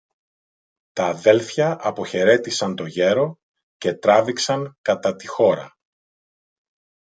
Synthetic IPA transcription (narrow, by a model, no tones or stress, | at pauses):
t̪ɐːðe̞lθçɐʔɐpo̞çe̞ɾe̞t̪isɐnt̪o̞ʝe̞ɾo̞ | ce̞t̪ɾɐviksɐŋkɐt̪ɐt̪ixo̞ɾɐ̰